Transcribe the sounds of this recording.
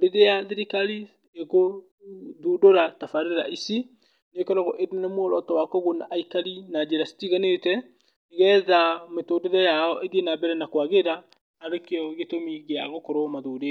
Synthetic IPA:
oɾeðeaðiɾikali | eɣo | ðuːdoɾatafaɾeɾeɾaisi | nekɛɾɔɣɔʔeɾenenemwooɾɔtɔwakɔɣonaʔaikaɾinad͡ʒeɾasi̥tiɣanetɛ | eɣɛðametoːdeðɛjaɔʔeɡenabɛɾɛnakwaɣeɾaː | ɾekeɔɣetomiɣeaɣokɔɾomaðoɾe

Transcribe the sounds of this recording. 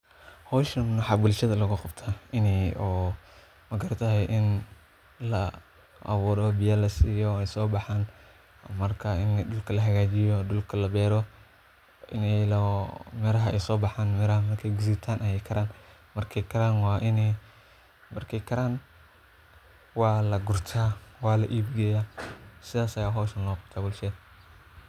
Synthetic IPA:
hɔːʃɐnnʊħɑːbʊlʃɐðɐlɐɣʊqɑbt̪ʰaɪnɛɔː | mɐɡɐɾt̪ʰɐɦɛjʔɪn | lɐ | ʔɐ̰βuːɾɔbɪjaːlɐsiːjɔɛjsɔːbɑħaːn | mɐrkʰɐɪndʊlkʰɐlɐɦɐɣaːt͡ʃɪjɔdʊlkʰɐlɐbɛːɾɔ | ʔɪnɛlmɛɾɐɦɐɛjsɔːbɑħaːnmɛɾɐhɐmɐrkʰɛjɡʊsiːt̪ʰaːnʔɐjɛkʰɐɾaːn | mɐrkʰɛjkʰɐɾaːnwɑːʔɪnɛj | mɐrkʰɛjkʰɐɾaːn | wɑːlɐɡʊrt̪ʰaːwɑːlɐʔiːbɡɛjasɪðaːsɐjaːɦɔːʃɐnlɔːqʊt̪ʰaːbʊlʃɛːd̪

